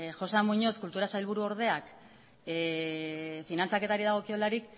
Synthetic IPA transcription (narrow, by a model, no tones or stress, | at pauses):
ʝo̞samuɲo̞skult̪uɾasajlβ̞uɾuo̞ɾð̞e̞ak | finant͡sake̞t̪aɾiðaɣ̞o̞kio̞laɾik